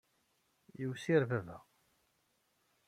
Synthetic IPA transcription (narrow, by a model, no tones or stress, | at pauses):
jəwsiɾvævæ